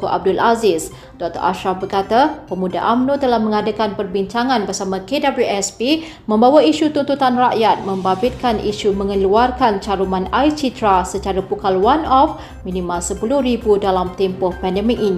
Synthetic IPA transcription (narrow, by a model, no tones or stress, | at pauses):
koʔa̰b̚dʊlazɪs | dɔk̚t̪ə̰ɾa̰ʃɾafbərkat̪apəmuda̰ʔamnot̪əlahmə̃ŋadakanpərbiɲt͡ʃaŋãnbərsamãkedabluʔɛspi | mə̃mbawaiʃut̪unt̪ut̪anraʔjat̪̚mə̃mbabɪt̪̚kaniʃumə̃ŋəluarkant͡ʃaɾumãnajt͡ʃit̪ɾasət͡ʃaɾapukalwanɔf | mĩnĩmalsəpulʊhɾibudalamt̪ɛmpʊhpɛndɛmɪk̚inĩ